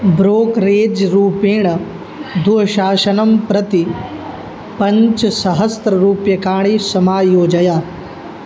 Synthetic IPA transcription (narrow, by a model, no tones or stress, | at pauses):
bɾoːkɾeːd͡ʒɾuːpẽːɳ̃ɐ | d̪ʱuɦʃaːʃɐnɐmpɾɐt̪i | pɐ̃ɲt͡ʃsɐɦɐst̪ɾɐɾuːpjɐkaːɳ̃isɐmaːjoːd͡ʒɐjaː